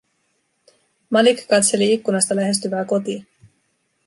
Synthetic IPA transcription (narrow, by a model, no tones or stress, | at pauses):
mɑlikːkɑt̪se̞liikːunɑst̪ɑlæɦe̞st̪yʋæːko̞t̪iː